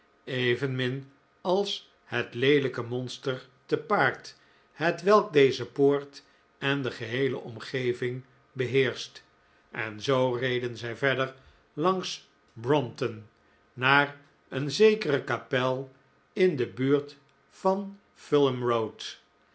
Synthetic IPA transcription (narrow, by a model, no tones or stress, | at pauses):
eɪvənmɪn | ɑlˠs | hətlejləkəmɔnstəɹ | təpaːɹt | hətʋɛlˠk̚dejzəpoːɹt | ɛndəχəɦejləʔɔmχejvɪŋ | bəɦɪːɹst | ʔɛnzowrejdənzɛjvɛdəɹ | lɑŋs | brɔmtənː | aːɹ | ənzejkərəkapɛlˠ | ɪndəbyːɹt | fɑn | fɪlˠəmrowt